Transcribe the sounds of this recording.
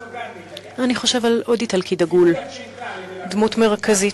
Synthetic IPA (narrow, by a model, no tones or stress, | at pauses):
aniχo̞ʃevalodit̪alkʰidaɡul | d̪mutmeʁkʰazi